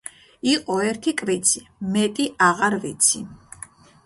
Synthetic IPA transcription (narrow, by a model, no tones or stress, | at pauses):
iqʼɔɛɾt̪ʰikʼvit̪sʰimɛt̪ʼiʔaʁaɾvit̪sʰi